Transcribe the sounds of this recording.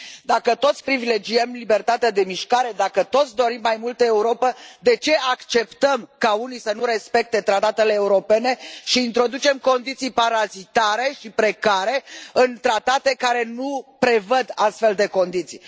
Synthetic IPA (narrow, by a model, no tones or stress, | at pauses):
d̪akət̪o̞t̪sʲpɾivile̞d͡ʒiəmlibe̞rt̪at̪ead̪e̞miʃkaɾe̞d̪akət̪o̞t̪sʲd̪o̞ɾimːajmult̪əeuɾo̞pəd̪e̞t͡ʃe̞akt͡ʃe̞pt̪əmkaunisənuɾe̞spe̞k̚t̪e̞t̪ɾat̪at̪e̞leːuɾo̞pe̞ne̞ʃiːnt̪ɾo̞d̪ut͡ʃe̞mko̞nd̪it̪sijpaɾazit̪aɾe̞ʃipɾe̞kaɾe̞ɨnt̪ɾat̪at̪e̞kaɾe̞nupɾe̞vəd̪ast̪fe̞ld̪e̞ko̞nd̪it̪sḭj